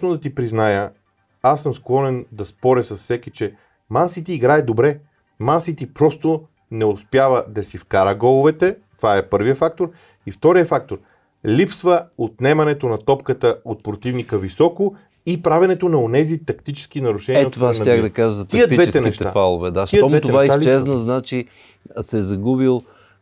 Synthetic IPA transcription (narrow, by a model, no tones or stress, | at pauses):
snod̪ɐt̪ipɾiznajə | asːəmsklˠɔnɛnd̪ɐspɔɾəsɐsfsɛkit͡ʃɛ | mansit̪iːɡɾaɛd̪obɾɛ | mansit̪ipɾɔst̪o | nɛospjavəd̪ɐsifkaɾəɡɔlˠʊvɛt̪ɛt̪ovaɛpɤɾvijəfak̚t̪oɾ | ift̪ɔɾijəfak̚t̪oɾ | lipsvəot̪nɛmɐnɛt̪onɐt̪ɔpkət̪əot̪̚pɾot̪ivnikəvisɔko | ipɾavɛnɛt̪onɐonɛzit̪ɐkt̪it͡ʃɛ̥sk̟inɐɾuʃɛnɛiovaaxd̪ɐkaʒəzɐt̪iəd̪vɛt̪ɛnɛʃt̪ɛaafalˠovɛd̪aʃiəɔvɛt̪oɛvaialt͡ʃɛznɐznat͡ʃi | sɛzɐɡubilˠ